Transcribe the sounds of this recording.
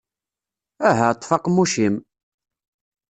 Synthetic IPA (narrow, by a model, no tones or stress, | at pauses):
æɦæt̪ˤːfɑqmːuʃim